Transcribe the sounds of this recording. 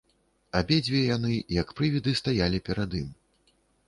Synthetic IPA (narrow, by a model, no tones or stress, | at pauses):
abʲed͡zʲvʲijanɨjɐkpɾɨvʲid̪ɨst̪ajalʲipʲɛɾad̪im